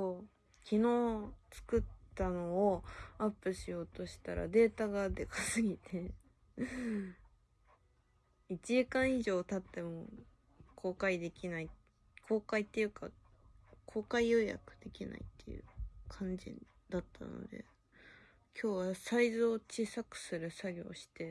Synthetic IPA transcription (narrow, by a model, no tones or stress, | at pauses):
oː | kʲino̞ːt͡sɨ̥kɯ̟t̪ːano̞ːapːɯ̟ɕijo̞ːt̪o̞ɕi̥t̪aɾa̰d̪e̞ːt̪aɡad̪e̞kasɨɡʲit̪ʰe̞ | it͡ɕiikãɰ̃iʑo̞ːt̪at̪ːe̞mo | kʰo̞ːkaid̪e̞kʲinai | kʰo̞ːkait̪ːe̞jɯ̟ka̰ | kʰo̞ːkaijo̞ja̰kɯ̟d̪̥e̞kʲina̰ḭt̪ʰːe̞̰jɯ̟̰kʰãɲ̟d͡ʑḭ | d̪̥at̪ʰːa̰no̰d̪e̞̰ | kʲʰo̞ːβasaizɨot͡ɕisakɯ̟̥sɨɾɯ̟saɡʲo̞̰ːɕi̥t̪e̞